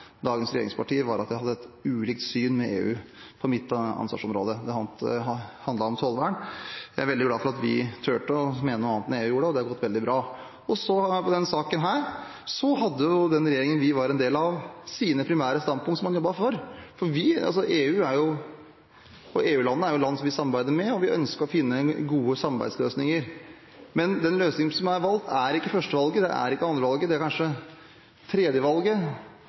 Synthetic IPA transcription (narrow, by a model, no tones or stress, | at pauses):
d̪ɑːɡənsɾɛjeːɾɪ̰ŋspʰɑʈiːəʋɑɾɑt̪jæɪɑd̪ːəɛt̪ʉːliːk̚t̪syːnmɛḛːʉ̰ː | pʰɔmɪt̪ːɑ̰nsʋɑ̰ʂɔmɾo̰ːd̪əd̪ɛhɑt̪hɑnd̪lɑɾɔmt̪ʰoːlʋæɳjæ̰æɾʋɛld̪ɪɡlɑːfɔɾɑt̪ʋɪ̰t̪ʰøːʈəɔmeːnənːɑːnt̪neːʉːjuːɾəɖɛɔd̪ɛhɑɾɡɔt̪ːʋɛld̪ɪbɾɑː | ɔsɔpʰɔd̪ɛnsɑːkənɦæːɾ | sɔɦɑd̪ːəjʊd̪ɛnɾɛjeːɾɪŋənʋɪʋɑɾɛnd̪eːlɑʋsiːnəpʰɾɪmæːɾəst̪ɑnpʰʊŋk̪t̪sɔmːɑnjɔbːɑfɔɾfɔɾʋɪɑ̰lsɔʔeːʉːæɾjʊ | ɔʔeːʉːlɑnːəæɾjʊlɑnːsɔmʋɪsɑmɑɾbæɪd̪əɾmɛɔʋɪʔœ̰nskəɾɔfɪnːəɡuːəsɑmɑɾbæ̰ɪsløːsnɪŋəɾ | mɛnd̪ɛnløːsnɪŋənsɔmæɾʋɑlt̪ʰæɾɪkːəfœʂʈəʋɑlɡəd̪ɛ̰ʔæ̰ɾɪkːəɑnd̪ɾəʋɑlɡəd̪ɛæɾkʰɑnʂə | t̪ʰɾeːd̪jəʋɑlɡə